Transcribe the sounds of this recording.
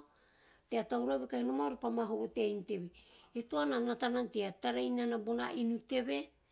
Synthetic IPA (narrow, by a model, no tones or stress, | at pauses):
teatawɾaβikainomaoɾapamaɦoβotejnte̞βietoananatananteataɾejnanabona̰ʔinute̞βe̞